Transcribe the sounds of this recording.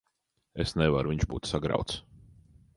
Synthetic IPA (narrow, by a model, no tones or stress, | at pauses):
esnɛvaɾuviɲʒbṵːt̪saɡɾa̰wt̪s